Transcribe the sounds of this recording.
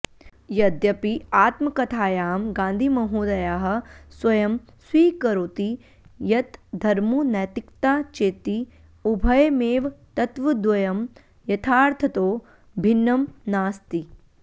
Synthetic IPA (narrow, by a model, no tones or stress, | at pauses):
jɐd̪jɐpiaːt̪mɐkɐt̪ʰaːjaːmɡãːnd̪ʱimɐɦuːd̪ɐjaːɦɐ̆swɐjɐm | swiːkɐɾoːt̪i | jɐt̪d̪ʱɐɾmunɐːt̪ikt̪aːt͡ʃeːt̪i | ubʱɐjmeːʋt̪ɐt̪ʋɐd̪wɐjɐm | jɐt̪ʰaːɾt̪ʰɐt̪oː | bʱinːɐmnaːst̪i